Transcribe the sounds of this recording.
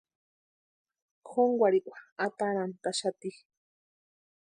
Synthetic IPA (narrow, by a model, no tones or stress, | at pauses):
kʰoŋɡʷwaɽiʔwaat̪aɾant̪aʃat̪i